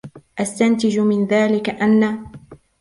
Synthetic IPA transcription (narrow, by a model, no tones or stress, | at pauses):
ʔast̪ant̪ɪd͡ʒmɪnðaːlɪkaʔanːa